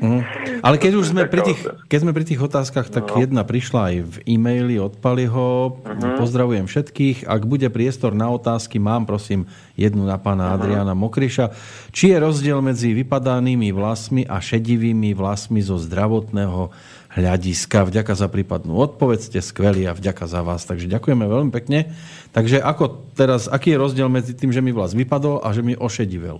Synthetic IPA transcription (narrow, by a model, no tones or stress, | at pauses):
ɦ̩ʔalɛkɛɟuʒzmɛpɾit̪iːxkɛɟzmɛpɾit̪̬iːɣɔt̪aːskaxt̪akjɛd̪napɾiʃlaajvimɛjliɔt̪̚paliɦɔpɔzd̪ɾaʋujɛmfʃɛt̪kiːxa̰ɡbuɟɛpɾɪɛst̪ɔɾnaɔt̪aːskimaːmpɾɔsiːm | jɛd̪nunapaːnaad̪ɾianamɔkɾiʃa | t͡ʃijɛɾɔzɟɪɛlmɛd͡ziʋipad̪aniːmiʋlasmiʔaʃɛɟiʋiːmiʋlasmizɔzd̪ɾaʋɔt̪nɛːɦɔ | ɦʎaɟiskavɟakazapɾiːpad̪nṵːɔt̪̚pɔʋɛcɛskʋɛliːavɟakazaʋaːst̪aɡʒɛɟakujɛmɛʋɛlmipɛkɲɛ | t̪aɡʒɛʔakɔt̪ɛɾasakiːjɛɾɔzɟɪɛlmɛd͡zit̪iːmʒɛmiʋlaːzʋipad̪ɔlʔa̰ʒɛmiʔɔʃɛɟiʋɛ̰l